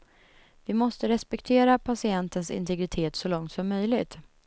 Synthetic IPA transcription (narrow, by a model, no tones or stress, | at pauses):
vɪmɔst̪əɾɛspɛkt̪ʰeːɾapʰasɪɛnt̪ənsɪ̰nt̪ʰɛɡɾɪt̪ʰeːt̪sɔlɔŋt̪sɔmːœjlɪɡt̪